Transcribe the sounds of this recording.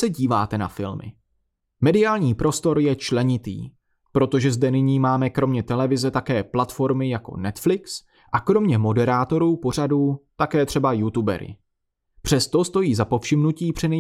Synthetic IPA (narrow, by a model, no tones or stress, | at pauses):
sɛɟiːvaːt̪ɛna̰fɪ̰lmɪ̰ | mɛdɪaːlɲiːpɾo̞st̪o̞ɾjɛt͡ʃlɛɲɪt̪ḭː | pɾo̞t̪o̞ʒɛzdɛnɪɲiːmaːmɛkɾo̞mɲɛt̪ɛlɛvɪzɛt̪akɛːplat̪fo̞ɾmɪjako̞̰nɛt̪flɪks | ʔakɾo̞mɲɛmo̞dɛɾaːt̪o̞ɾuːpo̞r̝aduːt̪akɛːt̪r̝̥ɛbajut̪ubɛ̰ɾɪ̰ | pr̝̥ɛst̪o̞st̪o̞jiːzapo̞fʃɪmnuciːpr̥ɪnɛ